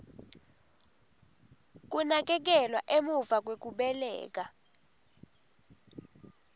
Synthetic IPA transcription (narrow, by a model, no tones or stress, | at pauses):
k̬unak̬ɛk̬ɛlwaʔemuvak̬wek̬ʼuɓɛlɛ̰ːk̬ʼa